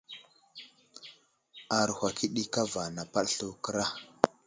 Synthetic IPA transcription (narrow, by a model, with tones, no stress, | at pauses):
a˨ɾhʷa˨ki˦ɗi˦ka˦va˨na˨pa˦ɗɬu˦kə˦ɾa˦˨